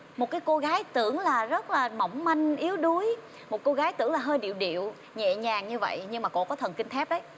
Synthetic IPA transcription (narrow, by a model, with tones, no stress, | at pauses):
mo˨˩t̚kaː˨˦jko˧ɣaː˨˦jt̪ɨ˧˩əŋlaː˨˩zə˦˥t̚laː˨˩ma˧˩wŋ͡mma˧jŋ̟ʔi˨˦əwɗu˨˦əj | mo˨˩t̚ko˧ɣaː˨˦jt̪ɨ̰˧˩əŋlaː˨˩ɦəː˧jɗḭ˧˨əwɗḭ˧˨əw | ɲɛ̰˧˨ɲaː˨˩ŋɲɨ˧və̰˧˨jɲɨ˧ŋmaː˨˩ko̰˧kɔ˨˦t̪ʰə˨˩nki˧ŋ̟t̪ʰɛ˦˥p̚ɗə˨˦j